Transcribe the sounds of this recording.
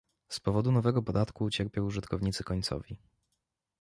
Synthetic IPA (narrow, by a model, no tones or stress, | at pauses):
spɔvɔd̪unɔvɛɡɔpɔd̪at̪kuːt͡ɕɛɾpʲjɔ̃w̃uʐɘt̪kɔvɲit̪sɘkɔɲt̪sɔ̰vʲi